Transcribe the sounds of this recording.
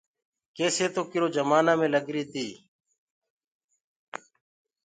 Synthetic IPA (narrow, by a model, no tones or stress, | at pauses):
keːseːt̪oːkɪɾoːd͡ʒəmaːnãːmẽːləɡɾiːt̪iː